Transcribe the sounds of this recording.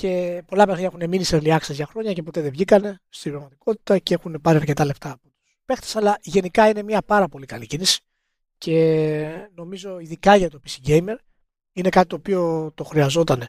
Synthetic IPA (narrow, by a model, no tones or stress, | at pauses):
ce̞po̞lɐpexniɲɐxune̞miniseɾliɐksezʝɐxɾo̞ɲɐce̞po̞t̪e̞ðevʝikɐne̞st̪ibɾɐɣmɐt̪i̥ko̞t̪i̥t̪ɐceexunepɐɾiɐɾce̞t̪ɐle̞ft̪ɐːpot̪u̥spe̞xt̪esɐlɐʝe̞nikɐine̞miɐpɐɾɐpo̞likɐlicinisi̥ | cʰe̞ | no̞mizo̞iðikɐʝɐt̪o̞pisiɟe̞jme̞ɾ | ine̞kɐt̪i̥t̪opio̞t̪o̞xɾiɐzo̞t̪ɐne̞